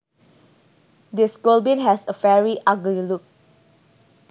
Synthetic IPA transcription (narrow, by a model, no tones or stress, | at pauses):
diskolbĩnɦɛsəfɛɹiʔaɡliluk̚